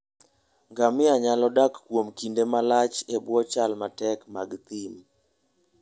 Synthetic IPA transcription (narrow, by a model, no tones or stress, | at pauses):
ŋɡamɪaɲalɔdakːwomkindemalat͡ʃebwɔt͡ʃalmatɛkmaɡt̪im